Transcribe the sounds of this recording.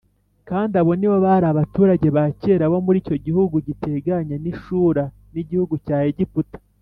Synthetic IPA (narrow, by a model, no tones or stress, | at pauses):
kaːndiaβo̞niwoβaɾaβatuːɾaɟe̞βace̞ːɾaβo̞muɾiːco̞ɟihuɡuɟitʰe̞ɡaɲeniʃuːɾa | niɟihuɡucaːheɟiputḁ